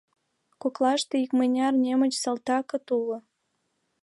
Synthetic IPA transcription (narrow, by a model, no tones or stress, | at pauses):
koklɑʃt̪eikmenʲɑrnʲemə̆t͡ɕsəlt̪ɑkɤ̆t̪ulŏ